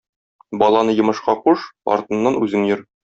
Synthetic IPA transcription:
bɒlˠɑnɤjɤ̆mɤ̆ʃqɑquʃɒ̰ɾt̪ɤ̆nːɑnʉzɘŋjɤɾ

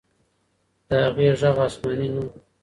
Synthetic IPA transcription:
d̪̥əhaɣweʐaɣɑsmɑninu

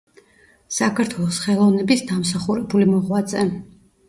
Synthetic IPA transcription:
sakʰaɾt̪ʰwɛlˠɔsχɛlˠɔvnɛbisd̪amsaχuɾɛbulimɔʁwat̪zʼɛ

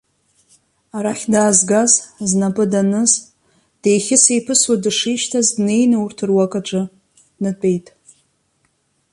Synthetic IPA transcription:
aɾaχʲdaːzɡazznapʼɨdanɨz | d̥ejχʲɪse̞jpʰɨswadɨʂijʃtʰazdne̞jnɨurtʰɨrwakʼat͡ʃʷʼɨ | nɨtʼe̞jtʼ

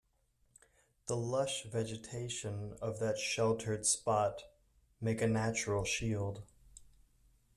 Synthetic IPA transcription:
ðəlʌʃvɛd͡ʒɨtʰeɪʃɨ̃nʌvðɨtʃɛlˠtʰə˞d̥spɑt | meɪkɨnæt͡ʃɹl̩ˠʃilˠd̥̚

